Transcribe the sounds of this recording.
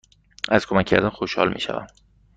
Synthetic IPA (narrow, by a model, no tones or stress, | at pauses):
æz̥kʰomæcʰːæ̰ɾd̪ænxoʃhɒ̰lmḭːʃæ̰væ̰m